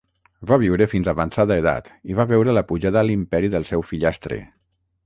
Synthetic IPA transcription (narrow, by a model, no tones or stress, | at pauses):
baβ̞iwɾəfinzaβansaðaeða̰t̪iβaβɛwɾələpuʒaðəlimpɛɾiðəlˠsɛwfiʎast̪ɾḛ